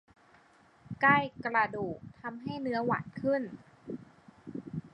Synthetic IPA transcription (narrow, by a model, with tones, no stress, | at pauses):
ka˥˩jkɾa˧duː˨˩k̚t̪ʰa˧mɦa˥˩jnɯ˦˥ɐwa̰ː˨˩nkʰɯ˥˩n